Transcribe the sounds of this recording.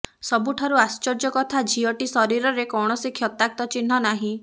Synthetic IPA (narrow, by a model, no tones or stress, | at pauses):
sɔbuʈʰaɾuast͡ʃɔɾd͡ʒɔkɔt̪ʰad͡ʒʱiɔʈisɔɾiɾɔɾekɔwɳ̃ɔsikʰjɔt̪ak̚t̪ɔt͡ʃin̤ːɔnaɦĩ